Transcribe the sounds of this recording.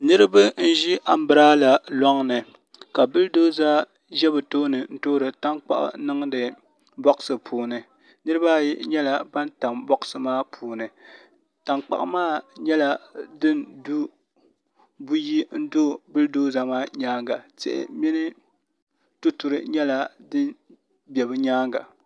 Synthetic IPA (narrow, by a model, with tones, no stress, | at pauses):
nɨ˦ɾɨ˦bɨ˦n̩˦ʒi˦ʔa˨m̩˦bɨ˨˦ɾa˦la˨lɔ˦ŋnɨ˨ | ka˨bɨ˦ldoː˦za˦ | ʒɛ˦bɨ˨toː˦nɨ˨n̩˦toː˦ɾɨ˨ta˦ŋk͡pa̰˦ʔʊ̰˦nɨ˦ŋdɨ˨ | bɔ˦ksɨ˨pʰuː˨nɨ˨ | nɨ˦ɾɨ˦baː˦ji˦ɲɛ˦la˨ba˦nta˨mbɔ˦ʔsɨ˨maː˦pʰuː˨nɨ˨ | ta˨ŋk͡pa̰˨ʔmaː˦ɲɛ˦la˨dɨ˦ndu˦ | bu˦ji˦n̩˦do˦˨bɨ˦ldoː˦za˦maː˦ɲaː˦ŋɡa˨tɪ̰˦ʔɪ̰˨mi˦nɨ˦ | to˦tu˨ɾɨ˨ɲɛ˦la˨dɨ˦n | bjɛ˨bɨ˦ɲaː˦ŋɡa̰˨